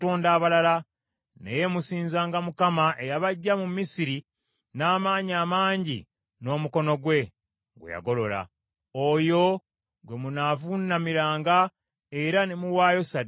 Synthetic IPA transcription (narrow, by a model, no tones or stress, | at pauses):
toːndaːβalala | nḛje̞musiːnzaːŋɡamukamaʔe̞jaβaɟːamumisiɾi | naːmaːɲiaːmaːɲɟḭ | no̞ːmuko̞no̞ɡwe̞ | ɡwḛja̰ɡo̞lo̞la̰ | ojo̞ | ɡwemunaːvunːamiɾaːŋɡa | e̞ɾanemuwaːjo̞sad